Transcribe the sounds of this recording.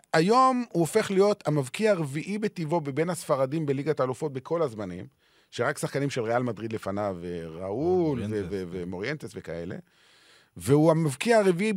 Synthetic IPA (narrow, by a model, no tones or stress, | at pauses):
ajo̞muofe̞χlijo̞t̪amavkiaʁeviʔibet̪ivo̞bebenhasfaʁadimbe̞liɡat̪aːlufo̞t̚bekʰo̞lazmanḭm | ʃeʁaksaχkanimʃe̞lʁealmad̪ʁid̪le̞fanaveʁaulvevevemo̞ʁjent̪esveka̰ḛlḛ | veuamavkiaaʁevii